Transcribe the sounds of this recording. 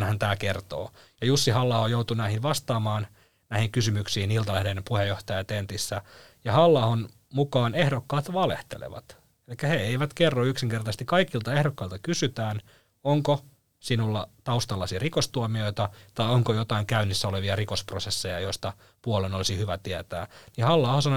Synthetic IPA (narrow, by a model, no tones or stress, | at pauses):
nhænt̪æːkert̪o̰ːjɑjusːihɑlːɑhojout̪unæihiʋʋɑst̪ɑːmɑːn | næihiŋkysymyksiːnilt̪ɑlæhdenpuhejoht̪ɑjɑt̪ent̪isːæjɑhɑlːɑhon | mukɑːnehdokːɑːt̪ʋɑlḛht̪ḛlḛʋɑ̰t̪ | elikːæheeiʋæt̪kerːoyksiŋkert̪ɑst̪ikɑikilt̪ɑehɾokːɑilt̪ɑkysyt̪æːn | oŋko | sinulːɑt̪ɑust̪ɑlːɑsirikost̪uomioit̪ɑt̪ɑioŋkojot̪ɑiŋkæynːisːæoleʋiɑrikosprosesːejɑ̰joist̪ɑ | puolenolisihyʋæt̪iæt̪æ̰ːnihɑlːɑuhosɑno